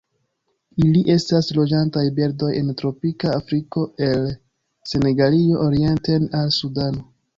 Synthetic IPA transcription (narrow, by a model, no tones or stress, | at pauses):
iliʔe̞staslo̞d͡ʒantajbeɾdo̞je̞ntɾo̞pikaːfɾiko̞e̞l | se̞ne̞ɡalio̞ʔoɾie̞ntenalsudano̞